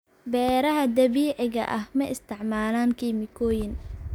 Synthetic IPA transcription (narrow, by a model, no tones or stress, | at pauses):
bɛːɾɐɦɐd̪ɐβiːʕɪɣɐ̰ʔɐhmɐʔɪst̪ʰɪʕmaːlaːŋkʰiːmɪkʰɔːjɪn